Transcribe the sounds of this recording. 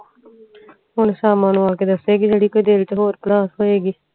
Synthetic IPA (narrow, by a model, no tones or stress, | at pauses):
ɦʊnsaːmãːnũːaːkeːd̪əseːɡiːd͡ʒeːɽiːkoːiːd̪eːlt͡ʃəɦoːɾplaːsɦoːeːɡiː